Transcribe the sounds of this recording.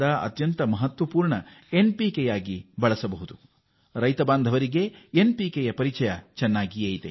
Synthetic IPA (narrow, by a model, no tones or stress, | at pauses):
d̪ɐɐ̰t̪jɐnt̪ɐmɐɦɐt̪ʋɐpuːɾɳɐ | enpikɛjaːɡibɐɭɐsɐbɐɦud̪u | ɾɐjt̪ɐbaːnd̪ʱɐʋɐɾiɡe̞enpikejɐpɐɾit͡ʃɐjɐt͡ʃɐnːaːɡieːjt̪e